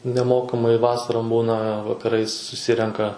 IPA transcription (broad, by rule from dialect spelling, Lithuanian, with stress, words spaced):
nʲɛˈmoːkɐmɐɪ ˈʋɑːsɐroːm ˈbuːnɐ ʋɐkɐˈrɐɪs sʊˈsʲɪrʲɛŋkɐ